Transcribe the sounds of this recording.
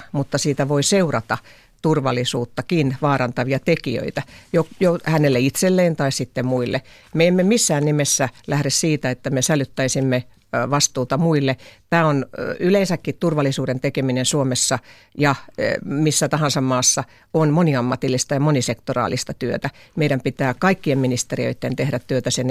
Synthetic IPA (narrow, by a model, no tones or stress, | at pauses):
mut̪ːɑsiːt̪æʋoiseurɑt̪ɑ | t̪urʋɑlːˑisuːt̪ːɑkinʋɑːɾɑnt̪ɑʋiɑt̪ekiø̰it̪æjojohænelːeit̪selːeːnt̪ɑissit̪ːemuilːḛ | meemːemisːæːnnimesːælæhɾessiːt̪æet̪ːæmesælyt̪ːæisimːe | ʋɑst̪uːt̪ɑmuilːet̪æːonyleinsækːit̪t̪urʋɑlːˑisuːɾent̪ekeminensuomesːɑ | jɑmisːæt̪ɑhɑnsɑmmɑːsːɑ | onmoniɑmːɑt̪ilːist̪ɑjɑmonisekt̪orɑ̰ːlist̪ɑt̪yøt̪æmeiɾæmpit̪æːkɑikːiemminist̪eriø̰it̪ːent̪ehɾæt̪tyøt̪æsen